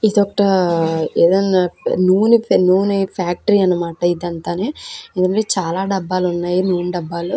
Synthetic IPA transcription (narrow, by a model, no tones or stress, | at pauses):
id̪ɔkːɐʈɐeːd̪ɐnaːnuːninuːnɐipʰaːk̚ʈɐɾiːɐnːɐmaːʈɐid̪ɐnt̪aːne̞ːendukɐɳʈeːt͡ʃaːlaːɖɛbːaːlunːaːjinuːnuɖɐbːaːlu